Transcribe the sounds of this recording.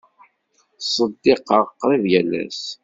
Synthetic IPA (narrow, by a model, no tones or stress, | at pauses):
sˤəd̪ːeqːəʁəqːɾˤiðjælæ̰s